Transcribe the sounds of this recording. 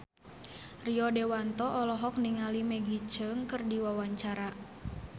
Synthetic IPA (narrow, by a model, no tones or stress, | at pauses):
riɔdewant̪ɔʔɔlɔɦɔk̚niŋalimɛɡit͡ʃəŋkɨrdiwawaɲt͡ʃaɾa